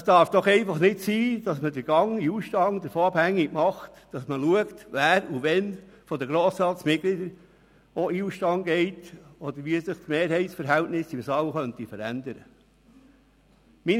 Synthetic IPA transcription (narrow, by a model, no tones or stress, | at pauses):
əsd̥ɑɾfd̥ɔχɛɪfɑχnɪtsiːd̥ɑsmədəɾɡ̥ɑŋiuːʃtɑŋd̥̪əɾfoːɑb̥hæŋːɪɡ̥mɑχt | d̥ɑsməluəktʋæːɾuʋɛnfɔd̪əɡɾoːsɾɑːtsmɪt̚ɡ̥lidəɾ | oʔiuːʃtɑŋɡɛɪtɔd̪əɾʋisɪχtmeːɾɦɛɪtsfəɾɦɛltnɪsɪmsɑwχœntifəɾæ̰nd̪əɾə | min